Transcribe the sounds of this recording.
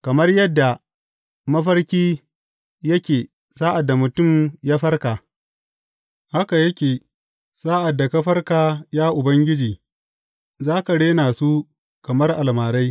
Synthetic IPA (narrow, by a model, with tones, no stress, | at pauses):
kɐ˨mɐ˦rjɐ˦dːa˨ | mɐ˦ɸɐ˦rkʲiː˦ | jɐ˦kʲeː˨ | saː˦ʔa˨dːa˨mʊ˨tʊ˦˨mjaː˦ɸɐ˦rka˨ | ha˦ka˨jɐ˦kʲeː˨ | saː˦ʔa˨dːa˨kɐ˦ɸɐ˦rkaː˨jaː˦ʔʊ˨bɐ˦ŋɡʲɪ˦d͡ʒiː˨ | zaː˦ka˨ɽeː˦naː˨su˦ | kɐ˨mɐ˦rʔa˨lmaː˨ɽa˦j